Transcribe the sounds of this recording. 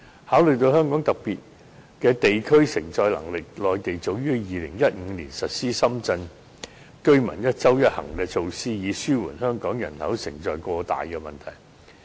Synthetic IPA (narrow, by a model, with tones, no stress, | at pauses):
haː˨˥wlɵ˨ɥt̪o˧whœː˥ŋkɔː˨˥ŋt̪ɐ˨˩k̚piː˨t̚ | kɛː˧t̪e˨jkʰɵ˥ɥsɪ̰˨˩ŋt͡sɔː˧jlɐ̰˨˩ŋlɪ˨k̚lɔː˨jt̪e˨jt͡so˨˩wjyː˥jiː˨lɪ˨˩ŋjɐ˥t̚ŋ̩ː˨˧liː˨˩nsɐ˨t̚siː˥sɐ˥mt͡sɐ˧n | kɵ˥ɥmɐ̰˨˩njɐ˥t̚t͡sɐ˥wjɐ˥t̚hɐ̰˨˩ŋkɛː˧t͡sʰo˧wsiː˥jiː˨˧syː˥wṵː˨˩nhœː˥ŋkɔː˨˥ŋjɐ˨˩nhɐ̰˨˥wsɪ̰˨˩ŋt͡sɔː˨jkʷɔː˧t̪a̰ː˨jkɛː˧mɐ˨˩nt̪ʰɐ˨˩j